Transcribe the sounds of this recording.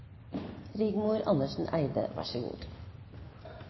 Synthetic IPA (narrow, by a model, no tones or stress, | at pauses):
ɾiːɡmuːɾʔɑnəʃn̩ʔæɪd̪ə̰ʋæ̰ʃəɡṵːd̪